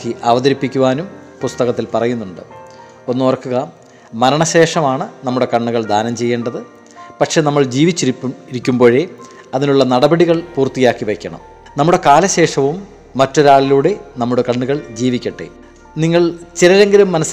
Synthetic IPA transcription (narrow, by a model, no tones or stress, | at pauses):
iʔɐʋɐðɐɾipːikʲːuʋaːnumpust̪ɐɣɐt̪ːilpɐrɐjunːuɳɖɨ̰ | o̞nːuɐrkːuɣɐ | mɐɾɐɳɐɕe̞ːʂɐmaːɳɨnɐmːuɽe̞kɐɳːuɣɐɭd̪ʱaːnɐmt͡ɕe̞jːeːɳɖɐðɨ | pɐʈʂe̞ːnɐmːɐɭd͡ʑiːʋit͡ɕːiɾikʲːumbo̞ːɻe | ɐðinuɭːɐnɐɽɐbɐɽiɣɐɭpuːrt̪ijaːkːiʋekʲːɐɳɐ̰m | nɐmːuɽe̞kaːlɐɕe̞ːʂɐʋumː | ɐtːo̞ɾaːɭiluːɽe̞nɐmːuɽe̞kɐɳːuɣɐɭd͡ʑiːʋikʲːɐʈːḛ | niŋːɐɭt͡ɕiɾɐle̞ŋɡɐlumːɐnɐs